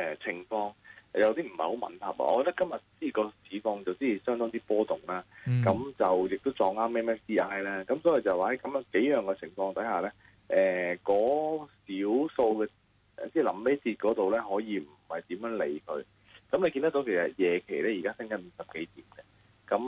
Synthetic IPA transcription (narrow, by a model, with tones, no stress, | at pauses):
ɛ˨t͡sʰɪ˨˩ŋfɔː˧ŋjɐ˨˧wt̪iː˥m̩˨˩hɐ˨˩jho˨˥wmɐ̰˨ntɐ̰˨˩p̚a̰˨ʔɔ̰˧ɔː˧t̪ɐ˥kɐ˥mjɐ˨t̚t͡siː˥˨kɔː˧siː˨˥fɔː˧ŋt͡sɐ˨wt͡siː˥i˨˩sœː˥ŋt̪ɔː˥t̪iː˥pɔː˥t̪ʊ˨˩ŋlaː˥kɐ˨˥mt͡sɐ˨wjɪ˨k̚t̪o˥wt͡sɔː˨˧ŋaː˥mɛː˥mɛː˥ft̪iː˥ʔaː˥jlɛː˥kɐ˨˥msɔː˨˥ji˨t͡sɐ˨˩waː˨˩hɐ˨˥jkɐ˨˥mjke˨˥jjœː˨ŋkɛ˧t͡sʰɪ˨˩ŋfɔː˧ŋt̪ʰɐ˨˥jhaː˨˩lɛː˥ | ʔɛː˨˩kɔː˨˧˥siː˨˥wso˧wkɛː˧ | ɛ̰˨t͡sɛː˥˩lɐ˨˩mme˥t͡sʰiː˧t̚kɔː˨˥t̪o˨wlɛː˥ɦɔː˨˥jiː˨˧m̩˨˩hɐ˨jt̪iː˨˥mjœː˨˥ŋle˨˧jkʰɵ̰˧ɥ | kɐ˨˥mle˨˧kiː˧nt̪ɐ˥kto˨˥wkʰsɐ̰˨˩t̚jɛː˨˩kʰe˨˩jlɛː˥jiː˨˩kaː˥sɪ˥ŋkɐ˨˥nm̩˨˦sɐ˨p̚ke˨˦jt̪iː˨˩mɡɛ˧ | kɐ˨˥m